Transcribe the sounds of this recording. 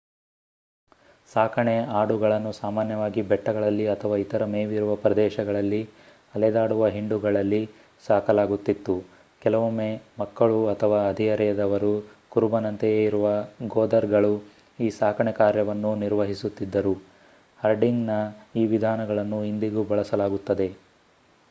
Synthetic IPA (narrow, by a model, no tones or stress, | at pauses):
saːkʰɐɳeaːɽuɡɐɭɐnːusaːmaːnjɐʋaːɡibɛʈːɐɡɐɭɐlːiɐt̪ʰɐʋaːit̪ɐɾɐmeːʋiɾuʋɐpɾɐd̪ɛːʃɐɡɐɭɐlːi | ɐlɛd̪aːɽuʋɐɦiɳɖuɡɐɭɐlːi | saːkʰɐlaːɡut̪ːit̪ːu | kɛlɐʋumːeːmɐkːɐɭuɐt̪ʰɐʋaːɐd̪ʱijɐɾɛjɐd̪ɐʋɐɾukuɾubɐnɐnt̪ɐjeːiɾuʋɐɡoːd̪ɐɾɡɐɭu | iːsaːkʰɐɳɛkaːɾjɐʋɐnːuniɾʋɐɦisut̪ːid̪ːɐɾu | hɐɾɖiŋɡnɐiːʋid̪ʱaːnɐɡɐɭɐnːuind̪iɡubɐɭɐsɐlaːɡut̪ːɐd̪e̞